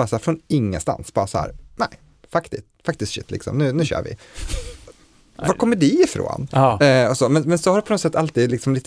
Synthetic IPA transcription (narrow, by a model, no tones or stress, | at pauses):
ɑːɾasahæːɾfɾonɪŋːə̰st̪a̰nsb̥ɑːɾasahæ̰ːɾnæɪ | fakt̪ɪst̪fak̚t̪ɪst̪ɕɪ̰t̪ʰːlɪ̰ksɔ̰mnʉ̟ːnʉ̟ːɕø̰ːɾvɪ̰ | vɑkʰɔmːəɖɪɪfɾo̰ːnɔsɔmɛnmɛnsɔhaɾpɔnɔt̪sɛt̪ːalt̪iːd̪lɪksɔmliːt̪